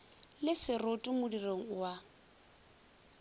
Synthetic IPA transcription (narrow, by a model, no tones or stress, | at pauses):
lɪsɪrotʼʊmʊdiroŋ̩wa